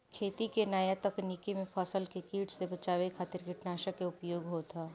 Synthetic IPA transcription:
kʰeːt̪ikenaːjat̪ɐknikimẽpʰɔːsəlkekiːʈʰsebɐt͡ʃaːʋekʰaːt̪ɪɾɡʱɐʈnaːʃəakeʊpjoːɡɦot̪ʰaː

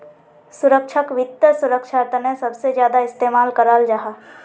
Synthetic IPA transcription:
sʊɾəkʃʰəkʋɪt̪ːəsʊɾəkʃʰat̪ənẽsɐbsed͡ʒjaːd̪aɪst̪eːmaːlkəɾaːld͡ʒaɦaː

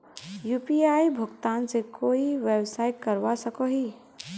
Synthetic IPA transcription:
jupiaibʱəɡt̪ansekʰoːiʋebsaːiʈ̚kəɾʋasəkɔɦi

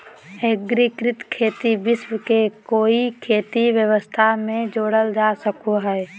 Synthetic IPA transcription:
eɡɾɪkɾɪt̪kʰeːt̪ibɪswəkekoːikʰeːt̪iʋjəʋəst̪ʰamẽd͡ʒoːɽəld͡ʒaːsəkoɦɛː

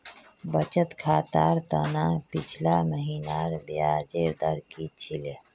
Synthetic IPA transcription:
bət͡ʃət̪kʰaːt̪aːɾt̪ənapit͡ʃʰlaməɦiːnaɾbiaːd͡ʒeɾd̪əɾkit͡ʃʰile

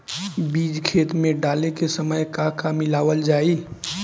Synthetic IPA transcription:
biːd͡ʒkʰeːt̪mẽɖaːlekesəməjkakamɪlaːʋəld͡ʒaːiː

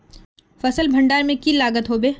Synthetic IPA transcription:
fɐsəlbʱɐ̃ɳɖaːɾmẽkilaːɡət̪ɦoːbeː

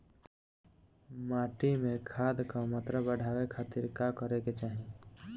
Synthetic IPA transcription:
maːʈimẽkʰaːd̪kamət̪ɾəbəɽ̤ʱaːwekʰaːt̪iɾkakəɾeket͡ʃaːɦi

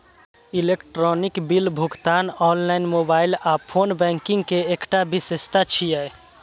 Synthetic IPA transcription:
ilekʈɾɔnikbilbʱuɡt̪aːnɔːnlaɪnmobaːɪlaːpʰoːnbɛ̃ŋkɪ̃ŋɡkeekʈabisest̪at͡ʃʰijɛj

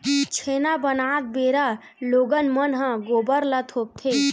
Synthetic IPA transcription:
t͡ʃʰenabənat̪̚beɾa | loɡənmənɦə̃ɡobəɾlət̪ʰob̚t̪ʰe

